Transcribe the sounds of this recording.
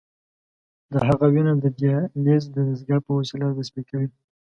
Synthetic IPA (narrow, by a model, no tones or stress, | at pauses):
d̪əɦaɣawinad̪əd̪jɑlezd̪əd̪azɡɑpəwosilad̪aspekawi